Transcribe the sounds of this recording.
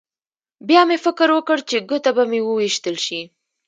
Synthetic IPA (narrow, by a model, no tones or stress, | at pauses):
bjɑmefɪkəɾwəkəɽt͡ʃeɡət̪abamewəwiʃt̪əlʃi